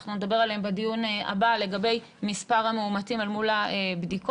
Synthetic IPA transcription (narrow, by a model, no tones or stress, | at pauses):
χnuned̪abe̞ʁaleembadijuna̰bale̞ɡabe̞j | mispaʁhameumatimalmulaebdiko